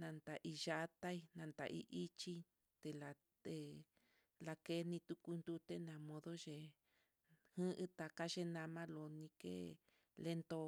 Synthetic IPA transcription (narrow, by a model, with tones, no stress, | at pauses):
nã˧nt̪a˨ʔi˧ʒa˧t̪a˦i˧nã˧nt̪a̰˨ʔḭ˧ʔi˦t͡ʃi˦ | t̪e˧la˨˧ | t̪e˧ | la˧ke˦nĩ˧t̪u˦ku˧nd̪u˦t̪e˦nã˧mõ˧ðo˦ʒe˧ | hɨ̃˦ʔɨ˦t̪a˨ka˦ʒe˧nã˧mã˦lo˨˧nĩ˧kḛ˦ | le˧nt̪o˧